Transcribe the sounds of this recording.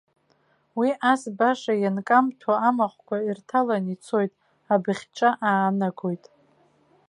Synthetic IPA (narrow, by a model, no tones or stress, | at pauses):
wiʔasbaʂajankʼamtʰaamaχʷkʷairtʰalanit͡sʰo̞jtʼ | abɨχʲt͡ʃʼaʔaːnaɡo̞jtʼ